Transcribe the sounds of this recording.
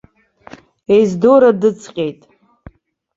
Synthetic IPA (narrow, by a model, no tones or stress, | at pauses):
ejzdoɾadɨt͡sʼʰqʲʼe̞jtʼ